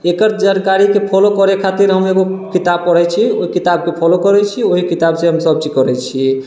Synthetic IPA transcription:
ekəɾd͡ʒankaɾikepʰɔlokɔɾekʰat̪iɾɦəmeɡokit̪ab̚pɔɽɛt͡ʃʰioɦikit̪ab̚kepʰɔlokɔɾɛt͡ʃʰioɦikit̪abseɦəmsəb̚t͡ʃikɔɾɛt͡ʃʰi

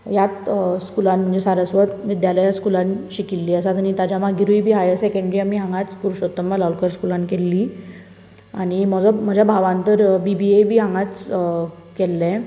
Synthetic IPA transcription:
jat̪skulanm̤əɳd͡zesaɾəsʋət̪ʋid̪jaləjaskulanɕikilːiːəsat̪añit̪ad͡ʑjamaɡʱiɾujbʱiːɦajəsekəɳɖɾiamiɦãŋɡat͡spuɾuɕot̪ːəmbalawlkəɾskulankelːi | aɽ̃im̤əd͡zɔm̤əd͡ʑʱjabʱaʋãnt̪əɾbibiebʱiːɦãŋɡat͡s | kɛlːɛ̃

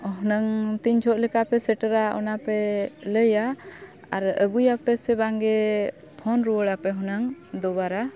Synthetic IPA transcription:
ɦɔnəŋt̪iɲd͡ʒʰɔʔlɛkapɛsɛʈəɾaɔ̰napɛləja | aɾəɡujapɛsɛbaŋɡɛ | pʰɔnɾuwəɽapɛɦɔnəŋd̪ɔbaɾa

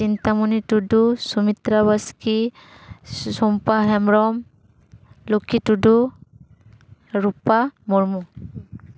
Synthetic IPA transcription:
sintamunitudusumitɾabaski | sɔmpaɦɛmɹɔm | lokʰitudu | ɹupamɔɹmu

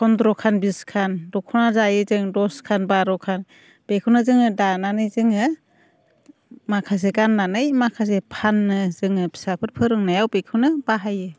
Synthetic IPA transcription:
kʰɔndɾɔkʰanbiskʰandɔkʰɔnazajɯzɯŋdɔskʰanbaɾɔkʰan | b̥ekʰɯwnɯzɯŋɯdananɯjzɯŋɯ | makʰas̬eɡanːanɯjmakʰas̬epʰanːɯzɯŋɯbʰi̥sapʰɯt̚pʰɯɾɯŋnajawbekʰɯwnɯbaɦajɯ

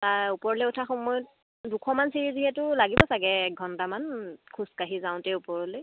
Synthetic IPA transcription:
taɹupɔɹɔlɛutʰaxɔmɔjɔt̚ | dukʰɔmansiɹiziɦɛtʊlaɡibɔsaɡɛɡʱɔntamankʰuskaɦizaʊ̃tɛupɔɹɔlɛ

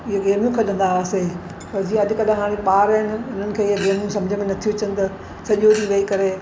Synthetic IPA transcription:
ɪɦeɡeːmijũkʰeɗɐ̃nd̪aʋaːse | pɐɾd͡ʑiːãɐd̪ʱɪkɐɗaɦaːɽ̃ẽpaːɾəɦɪnɪʊn̤ənɪ̆kʰeːɪɦeɡeːmjũsɐ̃md͡ʑʱəmẽnɐt̪ʰijuɐt͡ɕənɪ̆t̪ɐ | sɐʄoɗiʋɐikɐɾe

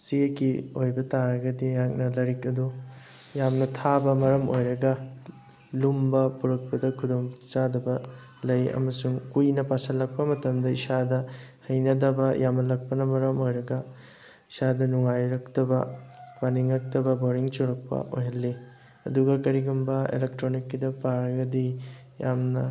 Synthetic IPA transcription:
siɐkiojbɐtaɾɐɡɐdijak̚nɐlɐɾikɐdu | jamnɐtʰabɐmɐɾɐmo̰jɾɐɡɐ | lumbɐpuɾɐk̚pɐdɐkʰudomt͡ʃadɐbɐ | lɐjɐ̰mɐsuŋkujnɐpasɐlːɐk̚pɐmɐtɐmdɐisadɐhɐjnɐdɐbɐjʔamnɐlɐk̚pɐnɐmɐɾɐmojɾɐɡɐ | isadɐnuŋajɾɐktɐbɐpaniŋɾɐk̚tɐbɐboɾiŋt͡ʃuɾɐk̚pɐ̰ʔojɦɐlːi | ɐ̰duɡɐkɐɾiɡumbɐḛlek̚tɾonikːidɐpaɾɐɡɐdi | jamnɐ

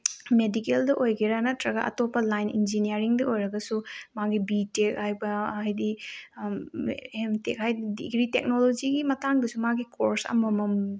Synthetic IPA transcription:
medikeldɐʔojɡiɾanɐtɾɐɡɐʔɐ̰topːɐlajnḭnd͡ʒiniaɾiŋdɐojɾɐɡɐsumaɡibitek̚hajbɐajdi | emtek̚hajdidḭɡɾitek̚nolod͡ʒiɡimɐtaŋdɐsumaɡikʰoɾsɐ̰mɐmɐm

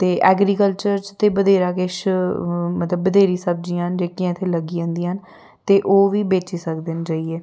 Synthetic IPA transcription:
t̪eːʔɛːɡɾiːkəlt͡ʃəɾt͡ʃt̪eːbəd̪eːɾaːkɪʃ | mət̪ləbːəd̪eːɾiːsəb̚d͡ʒĩːɦənd͡ʒeːkiãːɪt̪ʰːeːləɡiːə̃nd̪iːɦən | t̪eːʔoːʋiːbeːt͡ʃiːsəkd̪end͡ʒaːiːeː

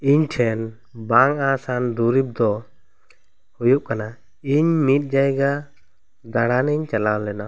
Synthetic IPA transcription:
iɲʈʰɛn | baŋasand̪uɾip̚d̪ɔ | hujuʔ̚kana | iɲmit̪̚ˀd͡ʒajɡa | d̪aɽaniɲt͡ʃalawlɛna

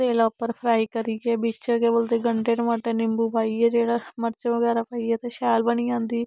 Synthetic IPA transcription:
eːlaːpəɾpʰɾaːiːkəɾiːɛːbiːt͡ʃːkebəlt̪eːɡəɳʈeːʈmaːʈeːnɪmbuːpaːiːɛːd͡ʒeːɽaːməɾt͡ʃõʋəɡɛːɾaːpaːiɛːt̪ẽːʃɛːlbəniːãːnd̪iː

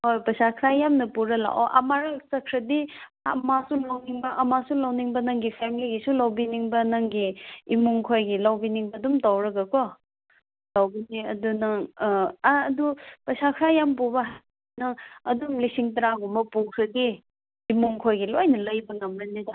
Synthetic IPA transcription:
hojpɐjsakʰɾajamnɐpuɾɐla̰ʔɔ̰ʔɐ̰maɾasɐkʰɾɐdi | ɐmasulawniŋbɐʔɐmasulawniŋbɐnɐŋɡipʰemliɡisulawbiniŋbɐnɐŋɡiːmuŋkʰojɡilawbiniŋbɐdumtawɾɐɡɐkɔ | lawbiniɐdunɐŋː | dupɐsakʰɾajampubɐ | nɐŋɐdumlisiŋt̬ɐɾaɡɔmɐpukʰɾɐdiː | muŋkʰojɡilojnɐlɐjbɐŋɐmɾɐnidɐ

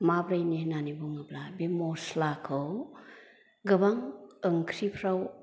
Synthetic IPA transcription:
mabɾajnenanibuŋɯblabemɔslakʰɯw | ɡɯbaŋɯŋkʰɾipʰɾaw

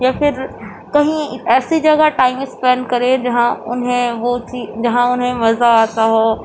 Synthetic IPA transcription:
jaːfɪɾ | kɐɦĩɛːsid͡ʒɐɡaʈaːɪmɪkspɛ̃ːɳɖkɐɾed͡ʒɐɦãʊ̰nɦẽʋot͡ʃid͡ʑɐɦãʊnɦẽmɐzaaːt̪aɦoː

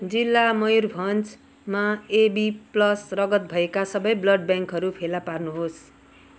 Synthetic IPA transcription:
d͡zilːamʌjurbʱʌnt͡s | maebiplʌsrʌɡʌt̪̚bʱʌekasʌbʌjblʌɖ̚bjaŋkɦʌɾupʰelaparnuɦos

